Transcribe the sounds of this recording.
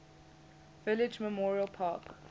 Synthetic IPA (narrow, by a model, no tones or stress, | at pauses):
vɪlɪd͡ʒməmɔːɹiəlˠpʰɑːk